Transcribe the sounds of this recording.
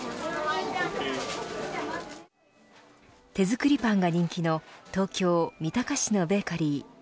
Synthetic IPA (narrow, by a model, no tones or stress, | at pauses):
t̪e̞zɨkɯ̟ɾʲipãŋɡaɲ̟ĩŋkʲino̞t̪o̞ːkʲo̞ːmʲit̪akaɕino̞be̞kaɾʲi